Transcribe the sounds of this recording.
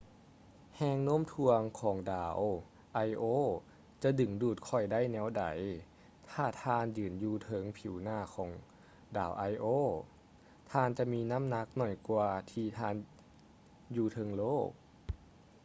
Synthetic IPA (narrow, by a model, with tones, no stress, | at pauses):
hɛː˧ŋnoː˧˥˨mt̪ʰu˧əŋkʰɔː˩˦ŋdaː˨˩˦w | ʔa˧jʔoː˧˥˨ | t͡ɕa˧˦dɯ˨˩ŋduː˧˩t̪̚kʰɔ˧˩jda˥˨jnɛː˧˥wda̰˩˦j | t̪ʰaː˧˩t̪ʰaː˧˨njɯː˨˩njuː˧t̪ʰɤ˧˦ŋpʰiː˨˦wnaː˧˩˨kʰɔː˩˦ŋ | da̰ː˨˦wʔa˧jʔoː˧˥˨ | t̪ʰaː˧˨nt͡ɕa˧miː˧na˧˥˨mna˧˥k̚nɔ˧˩jkwaː˧t̪ʰiː˧t̪ʰaː˧˥˨n | juː˧t̪ʰɤ˧˦ŋloː˥˩k̚